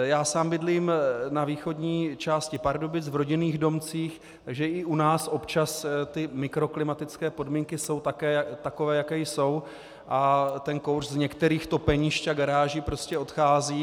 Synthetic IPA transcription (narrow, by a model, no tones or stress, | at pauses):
jaːsaːmbɪdliːmnaviːxo̞dɲiːt͡ʃaːscɪpaɾdobɪt͡svɾo̞ɟɪniːɣdo̞mt͡siːx | t̪aɡʒɛʔɪʔunaːsʔo̞pt͡ʃast̪ɪmɪkɾo̞klɪmat̪ɪt͡skɛːpo̞dmiːŋkɪso̞wt̪akɛːt̪ako̞vɛːjakɛjso̞w | ʔat̪ɛnkowrzɲɛkt̪ɛɾiːxt̪o̞pɛɲiʃt͡ʃaɡaɾaːʒiːpɾo̞scɛo̞t̪xaːziː